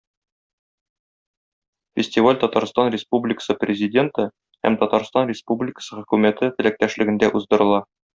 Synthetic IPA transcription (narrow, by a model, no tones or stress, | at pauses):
fʲɪsʲtʲivalʲt̪ɒt̪ɑɾst̪ɑnrʲɪspublʲɪkə̥sɤprʲɪzʲɪdʲe̞nt̪ɤ | hæ̰mt̪ɒt̪ɑɾst̪ɑnrʲɪspublʲɪkə̥sɤχɵ̆kʉmæt̪ɘt̪ɘ̆læk̚t̪æʃlɘ̆ɡɘ̆nd̪æʔuzd̪ɤ̆ɾɤ̆lˠɑ